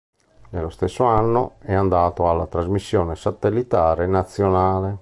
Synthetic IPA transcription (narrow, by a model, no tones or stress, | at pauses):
nelːost̪esːoanːo̰ɛand̪aːt̪oalːat̪ɾazmisːjɔːnesat̪elːit̪aːɾenat̪sːjonaːle